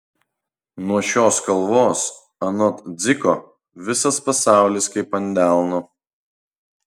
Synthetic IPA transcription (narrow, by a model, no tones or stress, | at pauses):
nuɔʃʲoːskɐlˠʋoːs | ɐnɔt̪d̪zʲɪkɔ | ʋʲɪsɐspɐsɑˑʊlʲɪskɐɪpɐnʲd̪ʲæˑlˠnoː